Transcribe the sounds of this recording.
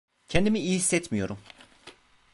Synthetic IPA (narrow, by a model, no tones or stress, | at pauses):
cʰɛnd̪imiijːhisːɛt̪mijo̞ɾum